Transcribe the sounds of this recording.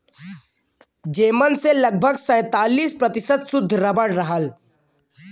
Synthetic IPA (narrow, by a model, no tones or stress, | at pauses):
d͡ʒeːmənselɐɡ̚bʱəɡsɛ̃ːt̪aːliːspɾɐt̪ɪsət̪sʊd̪ʱːɾɐbəɽɾɐɦəl